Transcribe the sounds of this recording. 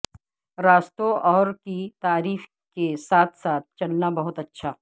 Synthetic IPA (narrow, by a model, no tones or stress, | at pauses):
ɾaːst̪oʔɔːɾkit̪aːɾiːf | kesaːt̪ʰsaːt̪̚t͡ʃɐlnabɐɦʊt̪ɐtːʃʰaː